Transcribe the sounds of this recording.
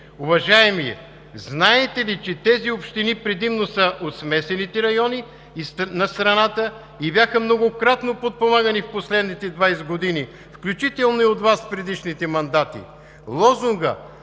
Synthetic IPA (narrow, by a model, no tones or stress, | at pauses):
ʊvɐʒaɛmijɛ̰ | znaɛt̪ɛlit͡ʃɛt̪ɛziopʃt̪inipɾɛd̪imnosəʔot̪smɛsɛnit̪ɛɾɐjɔni | isnɐst̪ɾɐnat̪ə | ibjaxəmnoɡokɾat̪nopot̪̚pomaɡənifposlɛd̪nit̪ɛd̪vajsɡod̪ini | fklʲut͡ʃit̪ɛlˠnoiot̪vaspɾɛd̪iʃnit̪ɛmɐnd̪at̪ḭ | lˠɔzʊŋɡə̰